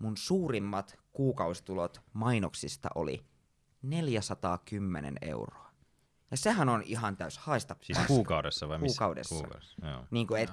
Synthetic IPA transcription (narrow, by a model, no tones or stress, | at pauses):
munsuːrimːɑt̪kuːkɑusi̥t̪ulot̪mɑinoksist̪ɑ̰ʔo̰lḭ | ne̞ljæsɑt̪ɑːkymːenḛnḛṵroɑ | jɑsehænoniɦɑnt̪æyshɑest̪ɑpsiːskuːkɑudesːɑʋɑiuːkɑudḛssːkɑ̰o̰niːŋkuet̪